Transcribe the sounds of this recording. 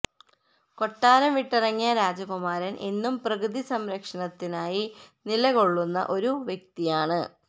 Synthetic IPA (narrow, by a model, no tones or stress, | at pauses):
ko̞ʈːaːɾɐmʋiʈːirɐŋːijɐɾaːd͡ʑɐɣumaːɾɐnʔe̞nːumprɐɣɨðisɐmɾɐkʂɐɳɐt̪ːinaːjinilɐɣo̞ɭːunːɐ̰ʔo̞ɾuʋjek̚t̪ijaːɳɨ